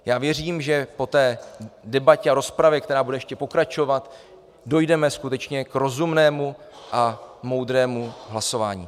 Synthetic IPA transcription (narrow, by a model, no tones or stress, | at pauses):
jaːvjɛriːmʒɛpo̞t̪ɛːdɛbacɛaɾospɾavjɛk̚t̪ɛɾaːbudɛjɛʃcɛpo̞kɾat͡ʃo̞vat̪ | do̞jdɛmɛskut̪ɛt͡ʃɲɛkɾo̞zumnɛːmuʔamo̞wd̪ɾɛːmuɦlaso̞vaːɲḭː